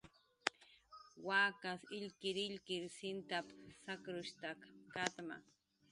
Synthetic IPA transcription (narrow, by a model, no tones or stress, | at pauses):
waːkasɪʎkɪɾɪʎkɪɾsɪnt̪apsakɾʊʃt̪akkat̪ma̰